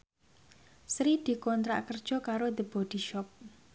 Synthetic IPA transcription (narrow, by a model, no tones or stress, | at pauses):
sɾid̪̥i̤kɔnt̪ɾa̰ʔkərd̥ʒ̥ɔ̤kaɾod̪əb̥ɔd̥i̤ʃɔp̚